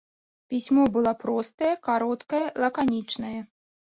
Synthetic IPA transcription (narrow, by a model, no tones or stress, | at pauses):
pʲisʲmɔbɨlˠapɾɔst̪ɐjɛkaɾɔt̪kɐjɛlˠɐkanʲit͡ʂnɐjɛ